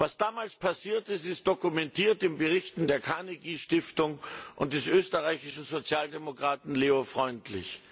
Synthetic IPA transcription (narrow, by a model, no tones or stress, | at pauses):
vasd̥aːmaːlspʰasiːɐtɪstɪst̚d̥okumɛntiːɐtɪmbəʁɪçtn̩deːɐkʰaneɡiːʃtɪftʊŋʔʊ̰nt̚d̥ɛsʔøːstəʁaɪçɪʃn̩zot͡sjaːldemokʁ̥aːtn̩leːofʁ̥ɔʏntʰlɪ̰ç